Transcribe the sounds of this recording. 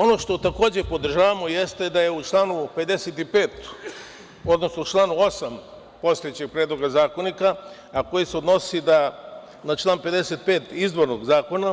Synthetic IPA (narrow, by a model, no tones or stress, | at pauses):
o̞no̞ʃt̪o̞t̪ako̞ːd͡ʑe̞po̞d̪r̩ʒaːʋamo̞jest̪ed̪ajeut͡ʃlˠaːnupe̞d̪eset̪ipeːt̪ | o̞d̪no̞snout͡ʃlˠaːnuo̞sam | post̪ojet͡ɕeɡ̚pɾeːd̪lˠo̞ɡazaːkonikaː | ko̞jiseod̪no̞sid̪a | nat͡ʃlˠaːnpe̞d̪eset̪̚peːt̪izd̪ʋo̞ɾnoɡzaːko̞na